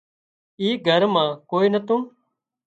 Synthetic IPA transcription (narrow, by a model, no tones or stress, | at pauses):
iːɡʱəɾmãːkoːiːnət̪ũːn